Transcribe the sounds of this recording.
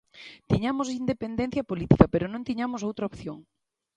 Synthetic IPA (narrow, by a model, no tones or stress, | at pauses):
t̪iɲamosind̪epend̪ẽn̟θjɐpolit̪ikɐpeɾonõnt̪iɲamosowt̪ɾaopθjoŋ